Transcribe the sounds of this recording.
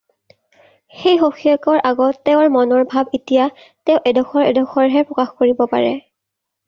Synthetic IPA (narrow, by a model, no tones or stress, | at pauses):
xejxoxʰijakɔɹʔaɡɔtːɛʊɹmɔnɔɹbʱabitija | teʊʔɛdɔxɔɹɛ̰dɔxʰɔɹɦɛpɹɔkaxkoɹibɔpa̰ɹɛ̰